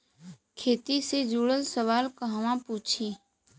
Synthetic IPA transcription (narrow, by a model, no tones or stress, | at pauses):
kʰeːt̪ised͡ʒuːɽəlsəʋaːlkəɦʋãpuːt͡ʃʰiː